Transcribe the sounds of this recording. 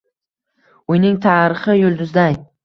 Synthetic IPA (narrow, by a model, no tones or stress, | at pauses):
ʊjnɪŋt̪ʰaːɾɪχɪjʊlˠd̪ʊzd̪aj